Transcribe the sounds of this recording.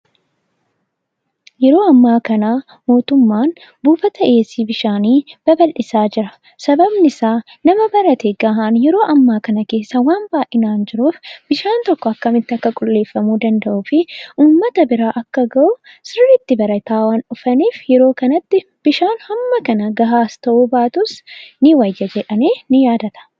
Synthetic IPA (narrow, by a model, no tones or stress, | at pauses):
jɛɾo̞ːɐmːaːkɐnaː | mo̞ːt̪ʊmːaːn | buːfɐt̪ɐʔeːsiːbɪʃaːniːb̥ɐbɐlʔɪsaːd͡ʒɪɾɐ | sɐbɐbnɪsaː | nɐmɐbɐɾɐt̪eːɡaːɦaːnjɛɾo̞ːʔɐmːaːkɐnɐke̞ːsːɐwaːnbaːʔɪnaːnd͡ʒɪɾuːfb̥ɪʃaːnt̪ɔkːɔɐkːɐmɪt̪ːɪɐkːɐkʼʊlːe̞ːfːɐmuːd̪ɐnd̪ɐʔuːfɪʔuːmːɐt̪ɐbɪɾaːʔɐkːɐɡɐʔʊ | sɪrːɪt̪ːɪbɐɾɐt̪aːwaːnʊfɐniːfjɛɾo̞ːkɐnɐt̪ːɪ | b̥ɪʃaːnhɐmːɐkɐnɐɡɐɦaːst̪ɐʔuːbaːt̪ʊsnɪwɐjːɐd͡ʒɛᶑɐmeːnɪjaːd̪ɐt̪ɐ̥